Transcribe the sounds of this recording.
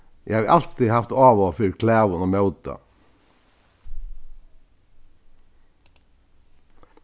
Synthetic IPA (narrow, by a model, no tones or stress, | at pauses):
jʔæhɑʋʔɑlt̪ɪhɑft̪ɑːʋoːfʏɾkʰlæːʋʊnoːmœʉt̪ɑ̰